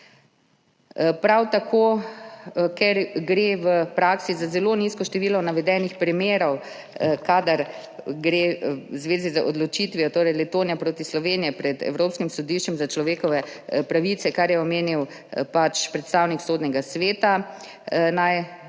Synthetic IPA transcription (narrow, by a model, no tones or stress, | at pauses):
pɾawt̪akʰoː | kɛɾɡɾeʋəpɾaksizazɛloːniskɔʃt̪ɛʋiːlɔnaʋɛd̪ɛːnixpɾimeːɾɔw | kaːd̪aɾ | ɡɾeːwzʋeːzizaʔɔd̪lɔt͡ʃit̪ʋiɔt̪oːɾɛjlɛt̪oːnjapɾoːt̪islɔʋeːnijɛpɾɛd̪ɛ̰wɾoːpskimsɔd̪iʃt͡ʃɛmzat͡ʃlɔʋeːkɔʋɛpɾaʋit̪sɛkaɾjɛɔmeːniw | pat͡ʃpɾɛt̪st̪aːwniksoːd̪nɛɡasʋeːt̪a | naj